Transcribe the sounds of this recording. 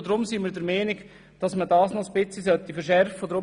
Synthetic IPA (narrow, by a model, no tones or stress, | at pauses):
d̪ɾʊmsimiːɾdəɾmɛːnɪɡ | d̥ɑsmədɑːsnɔsbɪt͡sisœt̪ːifəɾʃɛrfədɾʊ